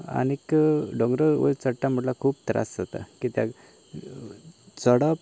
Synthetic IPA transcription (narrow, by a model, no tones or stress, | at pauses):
a̰nikɖɔɡɾəʋə̰t͡səʈːam̤əɽlakʰuːp̚t̪ɾa̰szat̪a̰kit̪ja | t͡səɽap